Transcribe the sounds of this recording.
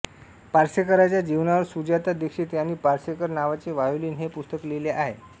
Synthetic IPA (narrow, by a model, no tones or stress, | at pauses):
paɾsekəɾat͡ɕjad͡ʑiʋnaʋəɾsud͡ʑat̪ad̪ekʂiːt̪janːiːpaɾsekəɾnaʋat͡seʋajuliːnɦepust̪əkleleʔaɦe